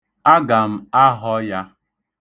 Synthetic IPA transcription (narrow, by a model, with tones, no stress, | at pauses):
a˦ɡa˨m̩˦˨a˦ɦɔ˦ja˦